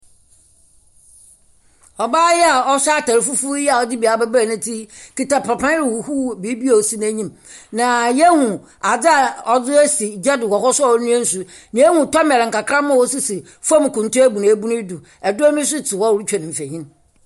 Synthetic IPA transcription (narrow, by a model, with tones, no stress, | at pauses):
ɔ˨baː˦jɛ˦a˨ɔ˦sa˦tʰa˨ɾɪ˨fu˦fu˦jɛ˦a˨ɔ˦˨d͡ʑɪ˦bi˨a˨bɛ˦ba˨nã˦tʰi˦ki˨ta˨pʰa˨pʰã˦ɾɪ˨wu˨hu˦bi˨˦bi˦o˨si˦n˦æ˦ɲĩ˦m | nã˨jɛ˦hũ˨ | a˨d͡zɪ˦a˨ɔ˨d͡zʊ˦ɛ˦si˨d͡ʑɛ˦dɪ˨wɔ˨hɔ˦sʊ˦˨˦nũ˦ɛ̃˦n̩˦sʊ˦ | nĩ˨˦ɛ˦hũ˨tɔ˦m˨ɛ˨ɾŋ̩˨kʰa˨kʰɾã˦mã˦˨wɔ˦sʊ˦si˨ | fɔ˦m˨kʊ̃˨n˨tũ˦æ˦bu˨nã˨˦bu˦nʊ̃˦du˨ | ɛ˨dʊ˦ɔ˦mĩ˦s̬ʊ˦tʰɪ˨wɔ˦˨ɾu˦t͡ɕᶣɛ˨nɪ̃˨m̩˨fæ˨ɲĩ˦n